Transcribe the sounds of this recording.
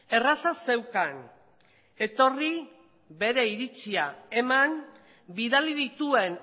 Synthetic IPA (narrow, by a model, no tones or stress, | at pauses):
e̞rasase̞wkan | e̞t̪o̞ri | βe̞ɾe̞iɾit͡siae̞man | biðaliðit̪ue̞n